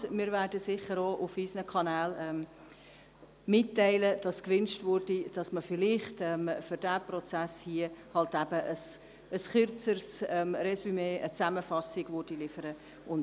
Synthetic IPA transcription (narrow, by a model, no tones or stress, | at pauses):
mɪːɾvæːrdəsɪχəɾoːʔufisnəkʰɑnæːlɛm | mɪtːɛɪləd̥ɑskʋʏnʃtvʊrdid̥ɑsməfɪlɪχtɛmfʏɾd̥æːprɔt͡sæshiəhɑltæbəʔəs | əsχʏrt͡sərsɛmrɛsymeːət͡sæməfɑsɪɡ̥vʊɾd̥ilɪfəɾə | ʔʊn